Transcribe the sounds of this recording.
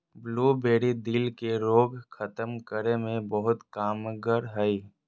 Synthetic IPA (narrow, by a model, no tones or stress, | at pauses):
bluːbeːɽid̪ilkeɾoːɡkʰət̪əmkəɾemẽbəɦʊt̪kaːmɡəɾɦəi